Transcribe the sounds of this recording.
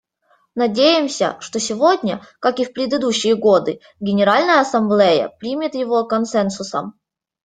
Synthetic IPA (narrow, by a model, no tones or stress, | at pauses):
nɐdʲejɪmsʲə̰ʂt̪osʲɪvodʲnʲəkakɨfpɾʲɪd̪ɨd̪uɕːɪjəɡod̪ɨ | ɡʲɪnʲɪɾalʲnəjəɐsɐmblʲejə̰pɾʲimʲɪt̪jɪvokɐnsɛnsʊsə̰m